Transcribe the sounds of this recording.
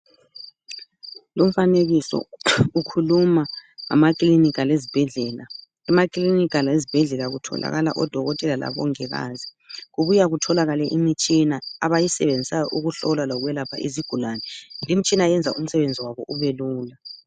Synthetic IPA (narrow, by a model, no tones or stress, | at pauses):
lom̩faneɣisɔ̰ukʰulumaa̰makʼlinikʼalezib̥ʱɛɮɛːla | ɛmakʼlinikʼalezib̥ʱɛɮɛlaɣutʰɔ̰la̰ɣala̰ʔɔd̥ʱɔɣɔtʼɛlala̰βɔ̰ŋɛɣa̰ːzi | ɣuβujaɣutʰɔlaɣalɛʔimit͡ʃʼinaaβajisɛβend͡zʱisajɔʔuɣuɬɔlalɔɣwɛlapʰa̰ʔiziɡ̥ʱulaːnɛlimit͡ʃʼinajɛnd͡zʱaum̩sɛβend͡zʱiwaβɔʔuβeluːla